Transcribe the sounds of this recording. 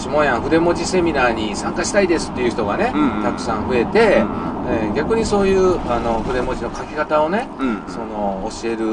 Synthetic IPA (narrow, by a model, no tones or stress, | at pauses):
ɕimo̞jãɰ̃ɸɯ̟d̪e̞mo̞d͡ʑise̞mʲinaːɲ̟isãŋkaɕi̥t̪aid̪e̞sɨ̥t̪ːe̞jɯ̟çit̪o̞ɡane̞t̪akɯ̟̥sãɰ̃ɸɯ̟e̞t̪e̞eɡʲakɯ̟ɲ̟iso̞ːjɯːano̞ɸɯ̟d̪e̞mo̞ʑino̞kakʲikat̪ao̞ne̞so̞no̞ːɕie̞ɾɯ̟